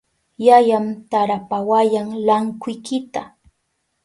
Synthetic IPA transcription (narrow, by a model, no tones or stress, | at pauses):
jajamt̪aɾapawajaŋlaŋkʊjkɪt̪a